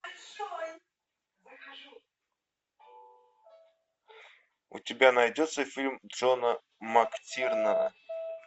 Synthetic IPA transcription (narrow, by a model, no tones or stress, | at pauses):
ʊ̰tʲɪbʲanɐjdʲot̪səfʲilʲmdʐonə | mɐktʲirnənə